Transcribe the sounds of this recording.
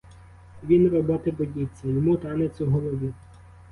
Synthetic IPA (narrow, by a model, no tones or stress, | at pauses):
ʋʲinrɔbɔt̪ɪbɔdʲit͡sʲːɐjɔmut̪ɑnet͡sʲɐɦɔlˠɔʋʲi